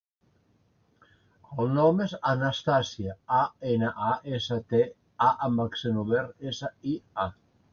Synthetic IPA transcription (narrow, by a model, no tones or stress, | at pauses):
əlˠnɔmesanast̪asiaaenaʔaʔesat̪e | aʔambaksenuβeɾesaia